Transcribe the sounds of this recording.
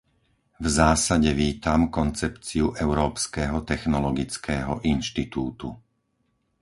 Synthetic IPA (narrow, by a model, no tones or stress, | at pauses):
vzaːsaɟɛʋiːt̪amkɔnt͡sɛpt͡siuʔɛʊɾɔːpskɛːɦɔt̪ɛxnɔlɔɡit͡skɛːɦɔʔinʃt̪it̪uːt̪u